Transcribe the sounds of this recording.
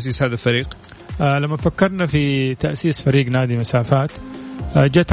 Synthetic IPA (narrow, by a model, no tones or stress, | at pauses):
siːshaːðalfaɾiːqː | lamːafakːɑɾˤnafit̪aʔsiːsfaɾiːɡnaːd̪imʊsaːfaːt̪ː | d͡ʒat̪